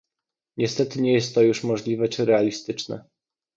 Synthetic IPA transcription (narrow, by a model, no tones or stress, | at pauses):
ɲɛst̪ɛt̪ɘɲɛjɛst̪ːɔjuʂmɔʐlʲivɛt͡ʂɘɾɛalʲist̪ɘt͡ʂnɛ̰